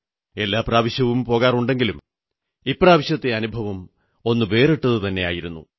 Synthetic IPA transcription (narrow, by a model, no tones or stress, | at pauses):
e̞lːaːpraːʋɐɕjɐʋumpo̞ːɣaːruɳɖe̞ŋɡilum | ipːraːʋɐɕjɐt̪ːeɐnubʱɐʋɐm | o̞nːɨʋe̞ːreʈːɐðɨt̪ɐnːe̞a̰ːjiɾunːṵ